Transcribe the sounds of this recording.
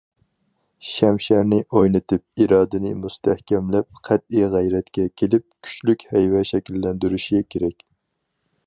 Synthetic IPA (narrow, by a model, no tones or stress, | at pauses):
ʃɛmʃæɾnɪʔojnɨt̪ʰɪp̚iɾɑːd̪ɪnɪ̰must̪ʰæhkʲɛmlɛp̚qʰæt̪̚ijʁæjɾɛt̪kʲɛkʲʰelɪp̚kʲʰy̥t͡ʃlykʲhɛjwɛʃɛkʲilːɛnd̪yɾyʃiɡʲɛkʲʰeɾɛkʲ